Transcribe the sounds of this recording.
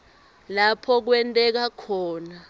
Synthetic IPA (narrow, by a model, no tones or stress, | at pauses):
lapʰɔk̬wɛntʼɛk̬akʰɔːna